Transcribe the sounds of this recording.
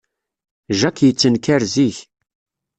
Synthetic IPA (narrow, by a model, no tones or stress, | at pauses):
ʒækːjət͡sːənkæɾziç